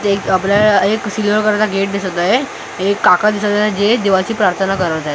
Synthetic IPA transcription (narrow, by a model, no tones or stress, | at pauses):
ekəpljaɭeksilʋəɾkəɾat̪aɡeʈ̚d̪isət̪aɦe | ekːakad̪isət̪aɦed͡ʑed̪eʋat͡ɕiːpɾaɾt̪ʰənakəɾəɾd͡zaɦe